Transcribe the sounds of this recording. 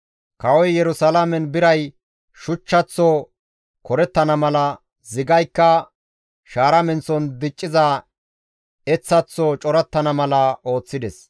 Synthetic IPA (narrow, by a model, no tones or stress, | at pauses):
kɐwɔjjɛɾʊsɐlɐmɛnbɪɾɐj | ʃʊt͡ʃːɐt͡sːɔ | kɔɾɛt̪ːɐnɐmɐlɐ | zɪɡɐjkːɐ | ʃaːɾɐmɛnt͡sːɔnd̪ɪt͡ʃʼːɪzɐ | ɛt͡sːɐt͡sːɔt͡ʃʼɔɾɐt̪ːɐnɐmɐlɐo̞ːt͡sːɪd̪ɛs